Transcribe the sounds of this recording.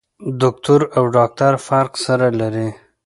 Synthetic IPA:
d̪ʊk̚t̪ʊɾawɖɑk̚t̪aɾfaɾqsaɾalaɾi

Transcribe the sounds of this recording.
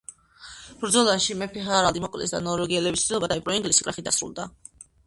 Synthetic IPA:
b̥ɾd̪zɔlˠanʃimɛpʰɛɦaɾald̪imɔkʼlɛ̰sd̪a̰nɔɾɛɡiɛlɛbist̪sd̪ilˠɔbad̪aipʼɾɔiŋɡlisi̥kʼɾaχid̪asɾṵlˠd̪a

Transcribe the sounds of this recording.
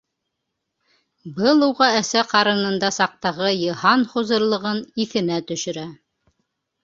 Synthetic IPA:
bɤlˠuwʁɑæsæqɑɾɤ̆nɤ̆nd̪ɑsɑq̚t̪ɑʁɤjɤ̆hɑnχuzɤ̆ɾlˠɤ̆ʁɤniθɘ̆næt̪ɵ̆ʃɵ̆ɾæ

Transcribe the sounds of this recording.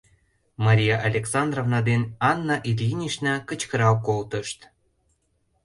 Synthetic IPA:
mɑɾʲijɑʔɑlʲeksɑnd̪rovnɑd̪enɑnːɑʔilʲjinʲiʃnɑkə̆t͡ɕkəɾɑkolt̪əʃt̪

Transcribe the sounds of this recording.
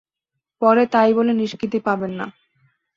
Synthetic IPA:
pɔɾet̪ajboleniʃkit̪̬ipabenːa̰

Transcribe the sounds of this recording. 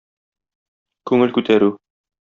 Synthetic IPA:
kʉŋɘlkʉt̪æɾʉ

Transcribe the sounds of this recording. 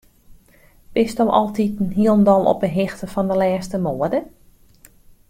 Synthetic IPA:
b̥ɪstowʔɔ̰lˠtitnɦiəlˠndɔlˠɔ̰pəɦɪxtəfɔndəlɛːstəmoːədə

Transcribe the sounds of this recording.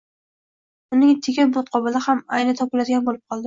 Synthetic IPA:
ʊnɪŋt̪ʰeɡʲabʊt̪̚qʰɒbalahamajnɪt̪ʰɒpʊlad̪ɪɡʲanbolˠɪp̚qʰɒlˠd̪ɪ

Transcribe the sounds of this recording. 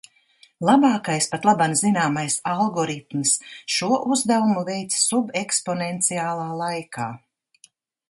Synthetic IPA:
lˠabaːkajspat̪lˠabanzinaːmajsalˠɡɔɾit̪msʃuɔʔuzd̪avumuvɛjt̪ssubekspɔnɛnt̪siaːlˠaːlˠajkaː

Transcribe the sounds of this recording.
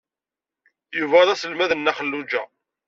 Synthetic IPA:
juvæðˤæsəlmæðənːæχəlːud͡ʒæ̰

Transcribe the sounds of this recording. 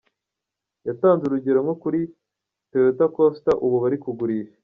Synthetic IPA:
jataːnzeɾuɟeɾamŋo̞kuɾi | teetakostaʔuβuβaɾikuɡuɾiːʃe

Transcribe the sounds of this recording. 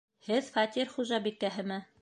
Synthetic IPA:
hɘðfɑt̪ʲiɾχuʒɑbikːæɦɘ̆mæ

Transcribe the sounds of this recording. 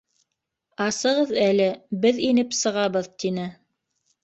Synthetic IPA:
ɑsɤ̆ʁɤðælɘbɘðinɘpsɤ̆ʁɑβɤðt̪inɘ

